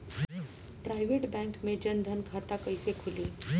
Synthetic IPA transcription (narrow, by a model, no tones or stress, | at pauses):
pɾajʋeʈbɛ̃ŋkmed͡ʑənd̪ʱənkʰat̪akəjsekʰuliː